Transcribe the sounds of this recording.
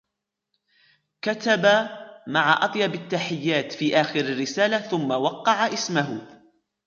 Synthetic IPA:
kat̪abamaʕaʔɑt̪ˤjɑbat̪ːaħɪjːaːt̪fiːʔaːxɪɾarːɪsaːlaθʊmːawɑqːɑʕaʔɪsmaɦʊ

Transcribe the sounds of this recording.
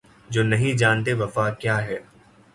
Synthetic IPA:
d͡ʒoːnɐɦĩd͡ʒaːnt̪̬eʋɐfakjaːɦɛː

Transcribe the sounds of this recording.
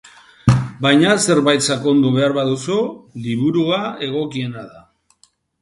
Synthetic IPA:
bajɲase̞ɾβajt̪sako̞nd̪uβe̞aɾβaðusuliβuɾuae̞ɣ̞o̞kie̞naða

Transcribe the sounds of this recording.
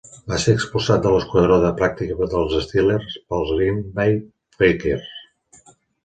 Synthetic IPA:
baseəkspulˠzat̪̚d̪ələskwəðɾɔðəpɾak̚t̪ikəd̪əlˠzəst̪ilerspəlˠzlinbaj | feker

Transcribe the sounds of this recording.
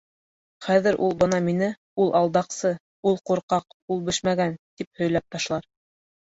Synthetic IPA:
χæðɘ̆ɾʔṵlˠbɤnɑminɘ | ulˠʔɑlˠd̪ɑqsɤ | ulˠquɾqɑq̚ulˠbɘ̆ʃmæɡænt̪ip̚hɵ̆jlæp̚t̪ɑʃlˠɑɾ

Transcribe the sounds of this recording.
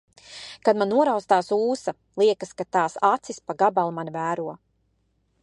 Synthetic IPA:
kad̪manːuɔɾawst̪aːsuːsa | lˠiɛkaskat̪aːsat̪sispaɡabalˠmanvæːɾuɔ

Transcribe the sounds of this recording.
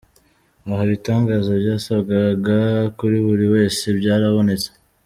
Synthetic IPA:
aɦaβitaːŋɡaːzoɾɟaːsabɡaɡakuɾiβuɾiwe̞ːse̞bɟaːɾaβo̞ne̞t͡se̥

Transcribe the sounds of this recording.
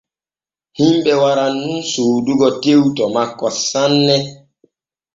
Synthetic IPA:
himbɛwaɾanːunsuduɡɔtewtɔmakːɔsanːɛ

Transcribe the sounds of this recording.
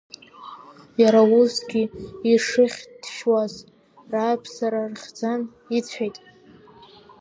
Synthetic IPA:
jaɾausɡʲiiʂɨχʲd̥ʃwaz | raːjpʰsaɾarχʲd͡zan | it͡sʷʰejtʼ

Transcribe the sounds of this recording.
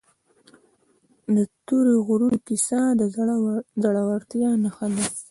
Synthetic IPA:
d̪ət̪uɾeɣuɾunkisɑd̪ə | zaɽawaɾt̪jɑnaxala

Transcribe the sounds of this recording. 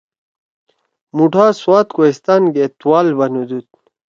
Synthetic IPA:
muʈʰaːswaːt̪koist̪anɡet̪waːlbɐnud̪ut̪̚

